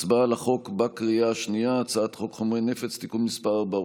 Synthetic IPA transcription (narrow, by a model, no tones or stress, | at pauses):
t͡sbalaχo̞kbakʁiaaʃnijaːt͡saat̪χo̞kχomʁenefet͡st̪ikumnispaba